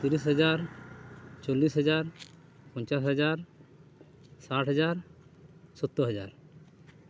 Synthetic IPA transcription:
t̪iɾisɦəd͡ʒaɾ | t͡ʃɔlːisɦəd͡ʒaɾ | pɔ̃ɲt͡ʃasɦəd͡ʒaɾ | saʈɦəd͡ʒaɾ | sɔt̪ːɔɦəd͡ʒa̰ɾ

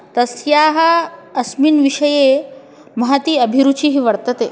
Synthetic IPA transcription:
t̪ɐsjaːɦɐɐsminʋiʂɐje | mɐɦat̪iːɐbʱiɾut͡ʃiɦiʋɐɽt̪ɐt̪ḛː

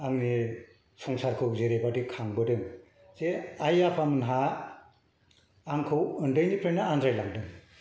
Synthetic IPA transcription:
aŋni | sɔŋsaɾkʰɯwzeɾebadikʰaŋbɯdɯŋ | zeajapʰamɯnɦa | ŋkʰɯwɯndɯjnipʰɾenaanzajlaŋdɯŋ

